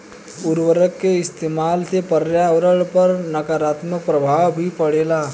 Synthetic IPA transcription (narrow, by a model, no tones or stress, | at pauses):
ʊɾʋəɾəkːeɪst̪eːmaːlsepəɾjaʋəɾəɭpəɾnɐkaɾaːt̪mək̚pɾəbʱaːwbʱipəɽeːlaː